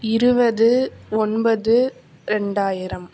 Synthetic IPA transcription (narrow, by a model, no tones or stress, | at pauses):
ɪɾɯbɐðɯɔnbɐðɯ | ɾɛɳɖaːjɪɾɐm